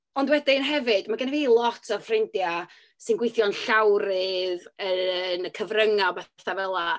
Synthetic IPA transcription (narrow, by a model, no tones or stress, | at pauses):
ɔndwɛdɪnɦɛvɨdmaɡaniviːlˠɔtʰɔrfrɪndja | sɨnɡwɪjθjɔnɬawɾɨðənəkʰəvrəŋabɛθavɛlˠa